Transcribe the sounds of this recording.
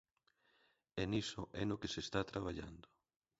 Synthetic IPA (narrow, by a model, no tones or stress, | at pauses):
enisoʔɛnokesest̪at̪ɾaβ̞aʎa̰nd̪o